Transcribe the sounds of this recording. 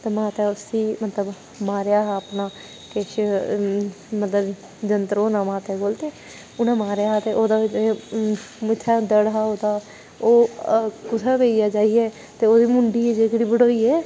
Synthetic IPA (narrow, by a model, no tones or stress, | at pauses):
t̪eːmãːt̪ɛːʊsiːmət̪ləb | maːɾjaːɦaːəpnaː | keʃ | mət̪ləb | d͡ʒənt̪əɾoːnãːmãːt̪ɛːɡoːlt̪eː | ʊnãːmaːɾjaːɦaːt̪eːʔoːd̪aːd͡ʒe | mɪt̪ʰːaːd̪əɽɦaːoːd̪aː | oːkʊt̪ʰaːpeːijaːd͡ʒaːiːɛː | t̪eːoːd̪iːmʊɳɖiːɛːd͡ʒeːkɽiːbəɽoːiːɛː